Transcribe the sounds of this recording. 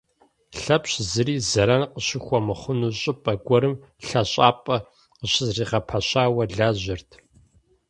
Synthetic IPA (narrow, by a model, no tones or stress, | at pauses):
ɬɐpɕzɨɾiːzɐɾɐnqəɕɪxʷɔmɨχʷʊnuɕʼɪpʼɐɡʷɔɾɨm | ɬɐɕʼaːpʼɐ | qəɕɪzriːʁɐpʰɐɕaːwɐɮaːʑɪrtʰ